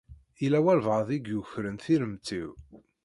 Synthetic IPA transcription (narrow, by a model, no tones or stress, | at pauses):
ilæwælvəðˤiɡjuçɾənθiɾəmt͡s̪ːiw